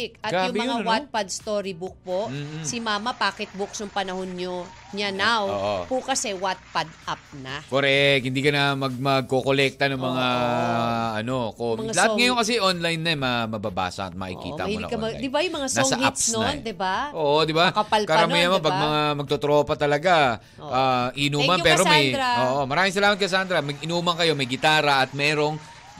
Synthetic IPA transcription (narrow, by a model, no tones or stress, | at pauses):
ɪkʔɐɡɾajʊŋɪmɐŋawat̪̚pad̪st̪oːɾibuk̚poʔmːsɪmaːmɐpaːkɛt̪̚buksnʊŋpɐnɐhonɲo | ɲɐnawʔpukɐsɛwat̪̚pad̪ʔap̚nɐkoɾɛkhɪnd̪iːkɐnɐmɐɡ̚mɐɡ̚kokolɛk̚t̪ɐnoŋmɐŋa | ʔɐno̞komɐŋalɐhaŋɐjonkɐsɛʔonlajnːɐɛmɐmɐbɐba̰ːsɐ̰ʔɐ̰t̪̚mɐ̰ʔɪ̰kḭːɐ̰ʔ̪n̰ɐ̰kɐ̰jɪbajʊmɐŋasnosɐa̰psnɐd̪ɪbaʔoːʔod̪ɪbaɐpɐlkɐɾɐmijnɐmɐpɐɡ̚mɐŋamɐɡ̚t̪ot̪ɾo̞ːpɐt̪ɐlɐɡa | ʔaːʔinuːmɐnpɛːɾomɐjjɾʔoːʔomɐɾaːmɪŋsɐlaːmɐt̪̚kɐs̬aːnd̪ɾɐmɐɡʔɪnuːmɐŋkɐjo̞mɐjɡɪt̪aːɾɐʔɐt̪̚mɛːɾo̞ŋ